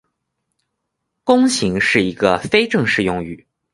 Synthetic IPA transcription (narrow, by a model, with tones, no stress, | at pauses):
kʊ˥ŋɕi˧˥ŋʂɻ̩˥˩i˧˥ɡ̥ə˧fe˥ɪʈ͡ʂɤ˥˧ŋʂɻ̩˥˧jʊ˥˧˩ŋy̰˨˩˦